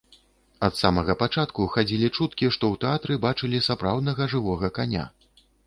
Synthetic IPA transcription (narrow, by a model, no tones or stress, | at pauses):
ɐt̪samɐɣɐpat͡ʂat̪kuxad͡zʲilʲit͡ʂut̪kʲiʂt̪ɔwt̪ɛat̪ɾɨbat͡ʂɨlʲisapɾawd̪nɐɣɐʐɨvɔɣɐkanʲa̰